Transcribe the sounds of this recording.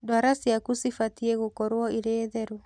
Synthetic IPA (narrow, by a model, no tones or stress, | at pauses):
dwaɾasiakusifatiɛɣokɔɾwɔiɾeːðɛɾu